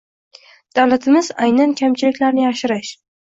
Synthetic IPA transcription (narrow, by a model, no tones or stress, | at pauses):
d̪̥awlat̪ʰɪmɪzajnankʲʰamt͡ʃʰɪlɪkʲlaɾnɪjaʃɪɾɪʃ